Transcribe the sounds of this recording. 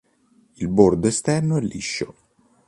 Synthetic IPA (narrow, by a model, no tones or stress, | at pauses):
ilbord̪oest̪ɛrnoɛlːiʃːo